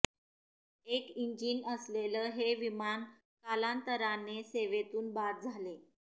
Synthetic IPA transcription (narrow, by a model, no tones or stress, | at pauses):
ekiɲd͡ʑinəsleləːɦeʋiman | kalant̪əɾanːeseʋet̪uːnbad̪̚d͡zʱale